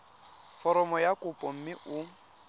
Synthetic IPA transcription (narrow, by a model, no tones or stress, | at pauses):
fɔɾɔmɔjakʼʊpʼɔm̩mɪʔʊ